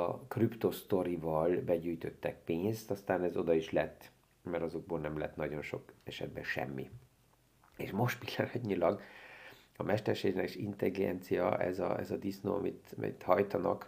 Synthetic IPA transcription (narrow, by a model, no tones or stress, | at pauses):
ɒkrypt̪o̞st̪o̞ɾivɒlbɛɟyːjt̪ø̞t̪ːɛk̚peːɲst̪ɒst̪aːnɛzo̞d̪ɒiʃlɛt̪ː | mɛɾɒzoɡ̚boːlnɛmlɛt̪nɒɟo̞nʃo̞kɛʃɛ̰d̪̚bɛʃɛ̰mːḭ | eːʃmo̞ʃt̪pil̥ːɒnɒtɲilɒɡ | ɒmɛʃt̪ɛrʃeːɡnɛkʃint̪ɛliɡɛ̰nt̪sijɒʔɛ̰zɒ̰ɛzɒd̪isno̰ːɒmit̪mɛ̰t̪hɒjt̪ɒnɒ̰k